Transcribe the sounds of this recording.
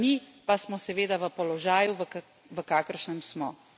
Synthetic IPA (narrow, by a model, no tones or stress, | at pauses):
nipasmɔsɛʋeːd̪aʋəpɔlɔʒaːjuʋə | ʋəkaːkəɾʃnɛmsmɔ